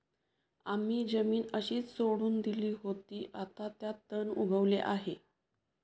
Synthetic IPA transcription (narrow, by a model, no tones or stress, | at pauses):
am̤iːd͡zəmiːnəɕiːt͡ssoɽuːnd̪iliːɦot̪iːʔat̪at̪jat̪ːənuɡʱəʋleʔaɦe